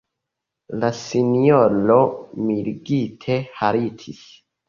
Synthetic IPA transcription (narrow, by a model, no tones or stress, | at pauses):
lasinjolomiɾɡitʰehaɾitʰis